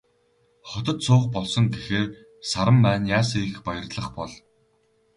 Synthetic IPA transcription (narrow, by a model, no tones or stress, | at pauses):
χɔt̪ɞ̆t̪sʊːχpɔɮsɞ̆ŋɡexeːr | saɾə̆mpæːnjaːsixpajə̆rɮə̆χpɔɮ